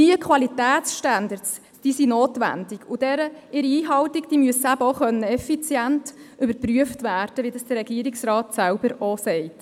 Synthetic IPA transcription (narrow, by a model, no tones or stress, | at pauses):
diəkʰʋɑlitæːt̪sʃtændəɾts | d̥iːsinoːtʋæ̰ndɪɡʊd̥ɛɾəɪɾiiːɦɑwtɪɡd̥iːmyəsːəæbəoχœnːəɛfit͡sjæntʏbəpryəftʋæːɾd̥əʋidɑsd̥əɾɛɡiəɾɪksrɑːtsæwbəɾɔsɛɪt